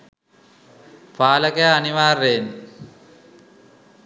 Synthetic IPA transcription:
faːləkəjaːniʋaːrːen

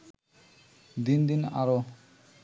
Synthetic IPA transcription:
d̪ind̪ina̰ɾo

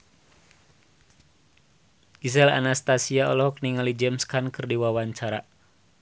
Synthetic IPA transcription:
ɡis̬ɛla̰nast̪asiaɔlɔɦɔk̚niŋalid͡ʒɛmskankɨrdiwawaɲt͡ʃaɾa

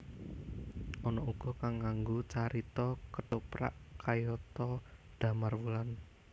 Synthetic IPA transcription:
ʔɔnɔʔuɡ̥ɔ̤kaŋːaŋɡot͡ʃaɾit̪ɔkətupɾa̰ʔkʰajɔt̪ɔd̪̥ä̤marwulan

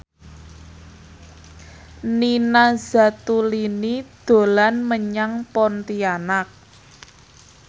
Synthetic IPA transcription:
ninaz̥a̤t̪ulinid̪̥o̤lanməɲaŋpɔnt̪ianak̚

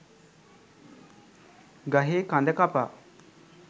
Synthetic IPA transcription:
ɡaɦekand̪əkapa

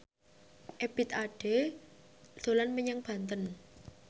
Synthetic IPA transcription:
ʔebit̪aɖ̥e̥ | o̤lanməɲaŋb̥a̤nt̪ən

